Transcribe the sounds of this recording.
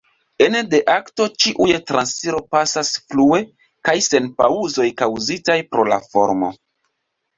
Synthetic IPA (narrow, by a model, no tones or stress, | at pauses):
e̞nde̞ʔakto̞t͡ʃiʔujetɾansiɾo̞pasasflue̞ | kajse̞npauzo̞jkawzitajpɾo̞la̰fo̞̰ɾmo̞̰